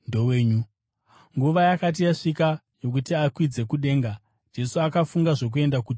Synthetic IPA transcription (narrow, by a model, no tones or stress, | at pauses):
ndoweːɲu | ŋɡuʋajakat̬ijaʂikajo̞k̬utiakwid͡ze̞kuɗe̞ːŋɡa | nd͡ʒe̞suakafuŋɡaʐo̞k̬ue̞ndakud͡ʒ